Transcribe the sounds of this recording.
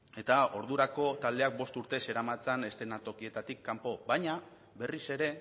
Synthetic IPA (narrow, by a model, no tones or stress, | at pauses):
e̞t̪ao̞ɾðuɾako̞t̪ald̪e̞ak̚bo̞st̪uɾt̪e̞se̞ɾamat͡sane̞st̪e̞nat̪o̞kie̞t̪at̪ikːampo̞bajɲa | be̞rise̞ɾe̞